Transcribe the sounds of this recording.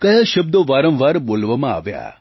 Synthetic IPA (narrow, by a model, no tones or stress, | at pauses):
kɐɦəʃəb̚d̪oʋaːɾə̃mʋaːɾboːlʋəmãa̰ːʋja̰ː